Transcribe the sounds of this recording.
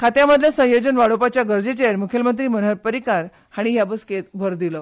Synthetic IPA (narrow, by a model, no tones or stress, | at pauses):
kʰat̪jaməd̪ʱjasə̃jod͡ʑənʋaɽopat͡ɕjaɡəɾd͡ʑet͡ɕejəɾmukʰjəlmənt̪ɾiːmən̤əɾpəɾikaɾ | haɽ̃iɦjabəsket̪bʱəɾd̪ilə